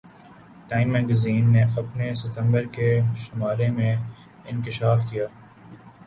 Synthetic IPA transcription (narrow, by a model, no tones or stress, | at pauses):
ʈaːɪ̃mːɛːɡəziːnːeʔɐpnesɪt̪ə̃mbəɾkeʃʊmaːɾemẽ | ɪ̃nkɪʃaːfkijaː